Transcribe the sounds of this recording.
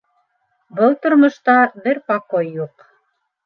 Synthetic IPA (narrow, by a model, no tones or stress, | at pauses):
bɤlˠt̪ŏɾmŏʃt̪ɑbɘɾpɑqojːuq